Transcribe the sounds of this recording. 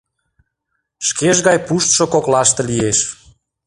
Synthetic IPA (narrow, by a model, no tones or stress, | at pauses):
ʃkeʒɣɑjpuʃt̪ʃokoklɑʃt̪ɤ̆lieʃ